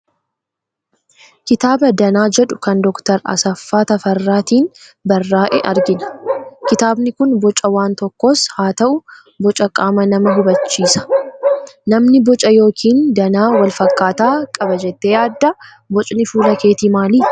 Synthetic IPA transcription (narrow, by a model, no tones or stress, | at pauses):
kɪt̪aːbɐd̪ɐnaːd͡ʒɛᶑʊkɐnd̪ɔkt̪ɐɾɐ̰sɐfːaːt̪ɐfɐrːaːt̪iːnbɐrːaːʔɛ̰ʔɐɾɡɪnɐ̥kɪt̪aːbnɪkʊnbɔt͡ʃʼɐwaːnt̪ɔkːoshaːt̪ɐʔʊ | bɔt͡ʃʼɐkʼaːmɐnɐmɐɦʊbɐt͡ʃːiːsɐ̥ | nɐmnɪbɔt͡ʃʼɐjo̞ːkʰiːnd̪ɐnaːwɐlfɐkːaːt̪aːkʼɐbɐd͡ʒɛt̪ːeːjaːd̪ːɐ | bɔt͡ʃʼnɪfuːlɐke̞ːt̪imaːliː